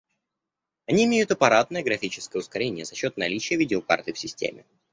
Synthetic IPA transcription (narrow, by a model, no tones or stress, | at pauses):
ɐnʲiɪmʲejʊt̪əpɐɾat̪nəjəɡɾɐfʲit͡ɕɪ̥skəjəʊskɐɾʲenʲɪjəzɐɕːo̞t̪nɐlʲit͡ɕɪjəvʲidʲɪoka̰rt̪ɨfsʲɪsʲtʲḛmʲɪ̰